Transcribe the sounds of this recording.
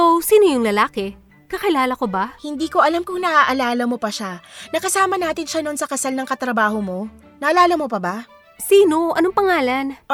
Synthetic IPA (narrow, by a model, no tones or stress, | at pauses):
ʔosiːnojʊŋlɐlaːkɛ | kɐkɪlaːlɐko̞bahɪnd̪iːko̞ʔɐlamkʊŋnɐʔaʔɐlaːlɐmo̞pɐʃanɐkɐsaːmɐnaːt̪ɪnʃanonsɐkɐsalnɐŋkɐt̪ɾɐbaːhomo̞ | nɐʔɐlaːlɐmopɐba | siːno̞ʔɐ̰noŋpɐŋaːlɐn